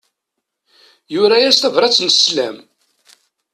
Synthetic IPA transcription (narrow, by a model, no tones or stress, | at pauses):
jʊɾæjæst̪ævɾˤɑt͡sːnəslæ̰m